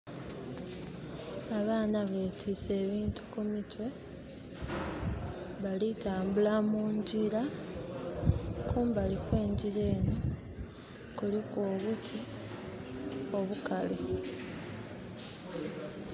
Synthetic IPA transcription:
aβaːnaβe̞ːtʰise̞ːβiːntu̥kumitwe̞ | βalitaːmbulamuːɲɟila | kuːmbalikwe̞ːɲɟile̞ːno | kulikoːβutʰi | o̞βukalo

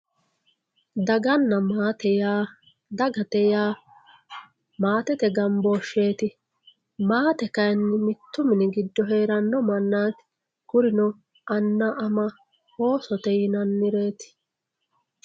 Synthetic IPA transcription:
d̪ɐɡɐnːɐmaːt̪ɛjaː | d̪ɐɡɐt̪ɛjaː | maːt̪ɛt̪ɛɡɐmboːʃe̞ːt̪ɪ | maːt̪ɛkɐjɐnːɪmɪt̪ːʊmɪnɪɡɪd̪ːɔɦe̞ːɾɐnːɔmɐnːaːt̪ | kʊɾɪnɔ | ʔɐnːɐʔɐmɐ | ho̞ːsɔt̪ɛjɪnɐnːɪɾe̞ːt̪ɪ̥

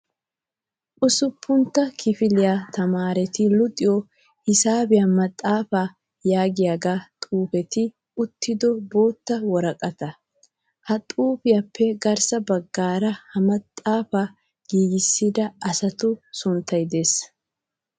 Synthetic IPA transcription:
ʔʊsʊpːʊnt̪ːɐkʰɪfɪlɪjat̪ɐmaːɾɛt̪ɪlʊt̪ʼɪjɔ | hɪsaːbɪjamɐt̪ʼːaːfaː | jaːɡɪjaɡaːt̪ʼuːfɛt̪ɪ | ʊt̪ːɪd̪ɔbo̞ːt̪ːɐwɔɾɐkʼɐt̪ɐ | hɐt̪ʼuːfɪjapʰːɛɡɐɾsɐbɐɡːaːɾɐhɐmɐt̪ʼːaːfaː | ɡ̥iːɡɪsːɪd̪ɐɐsɐt̪ʊsʊnt̪ːɐjd̪eːs

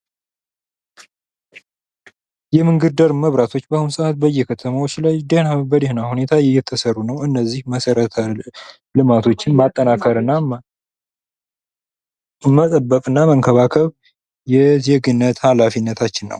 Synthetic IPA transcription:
jɛmɨŋɡɨɾd̪əɾməβɾat̪ʰo̞t͡ʃːbahunsəʔat̪̚bəjːɛkʰət̪ʰəmawot͡ʃːlajd̪ehabəd̪ehnahune̞t̪ʰajɛjːɛt̪ʰːəsərːunəwɨnːəzːihməsəɾət̪ʰə | lɨmat̪ʰo̞t͡ʃːɪnmat̪ʼːənakʰəɾɨnːa | mət̪ʼəbːəkʼɨnːaməŋkʰəβakʰəβ | jɛzeɡɨnːət̪halafinːət̪ʰat͡ʃːɪnːə̰w

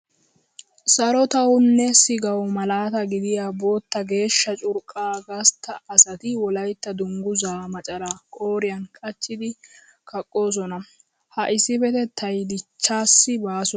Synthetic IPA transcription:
sɐɾɔt̪ɐwʊnːɛsɪɡɐwmɐlaːt̪ɐɡɪd̪ɪjaːbo̞ːt̪ːɐɡe̞ːʃːɐt͡ʃʼʊɾkʼːaːɡɐst̪ʰːɐːsɐt̪ɪwɔlɐjt̪ːɐd̪ʊŋɡʊzaːmɐt͡ʃʼɐlaːkʼo̞ːɾɪjɐnkʼɐt͡ʃːɪd̪ɪ | kʰɐkʼːo̞ːs̬ɔnɐ | hɐʔɪsːɪfɛt̪ɛt̪ʰɐjd̪ɪt͡ʃːaːsːɪbaːsɔ

